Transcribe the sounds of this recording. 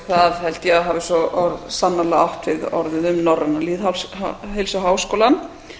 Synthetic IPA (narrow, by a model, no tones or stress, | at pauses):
θaðhɛl̥t̪jaaɦaːvɪsɔɔɾsanːalaaht̪vɪðɔ̰ɾðɪnʏmnɔrːanːaliːðhawlhejlsʏɦaːwskowlan